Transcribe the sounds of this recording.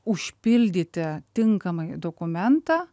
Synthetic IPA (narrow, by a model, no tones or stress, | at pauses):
ʊʃʲpʲɪlʲd̪ʲɪt̪ʲɪt̪ʲɪŋkɐmɐɪd̪okʊmʲɛnt̪ɑː